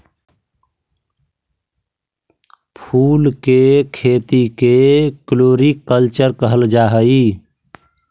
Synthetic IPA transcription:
pʰulkekʰet̪ikekloɾikːəlt͡ʃəɾkəɦəld͡ʒaɦəi

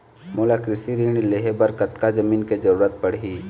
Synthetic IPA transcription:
moːlakɾɪsiɾiːɳ̃ileːɦebəɾkɐt̪kad͡ʒɐmiːnked͡ʒɐɾuːɾət̪̚pɐɽ̤ɦiː

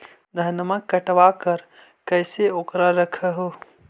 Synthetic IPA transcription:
d̪ʱənəmãkɐʈʋaːkɐɾ | kɐɪseoːkɾaɾɐkʰəɦo

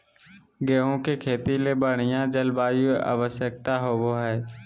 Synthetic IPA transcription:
ɡeːɦõkekʰeːt̪ilebəɽ̤̃ijãd͡ʒəlbaːia̰ːʋəʃjək̚t̪aɦoboɦɛː

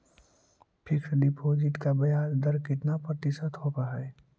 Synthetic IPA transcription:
pʰɪkʰɾɖipʰoːd͡ʒɪʈkabɐjaːnd̪əɾkɪt̪napɾət̪ɪsət̪ɦoːt̪aɦɛː

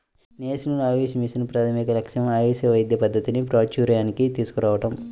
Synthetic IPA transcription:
neːsinunaːʋiːsɐmisinupɾɐt̪ʰɐmikɐlɐkʂɐmaːʋiːsɐʋɐjd̪jɐpɐd̪ːɐt̪inipɾaːt͡ʃuːɾɐjaːnikit̪iːsu̥kuɾaːʋɐʈɐm

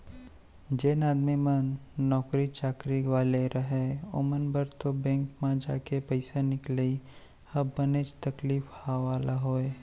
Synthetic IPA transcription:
d͡ʒeːnaːd̪mimənːɔːkɾit͡ʃaːkɾiʋaːleɾɐɦeo̰ːmənbəɾt̪obɛ̃ːŋkmãd͡ʒa̰ːkepəɪsenɪklei | hɐbːənet͡ʃt̪ɐkliːfhaʋaːlaɦoːeː

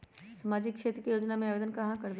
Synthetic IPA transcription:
samaːd͡ʒɪkkʃeːt̪ɾəkijoːd͡ʒnamẽaʋeːd̪ənkɐɦãkɐɾd̪

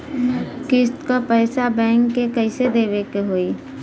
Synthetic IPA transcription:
kɪst̪kapɛɪsabɛ̃ːŋkːekəɪsed̪eːʋekeɦoːiː

